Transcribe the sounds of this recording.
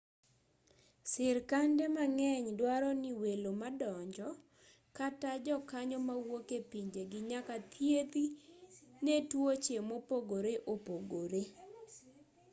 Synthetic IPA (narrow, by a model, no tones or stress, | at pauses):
sɪɾkandɛmaŋɛɲdwaɾɔnɪwelomadɔɲd͡ʒɔ | katad͡ʒɔkaɲɔmawokepiɲd͡ʒeɡɪɲakat̪ʰjet̪i | netwot͡ʃemopoɡoɾeʔopoɡoɾe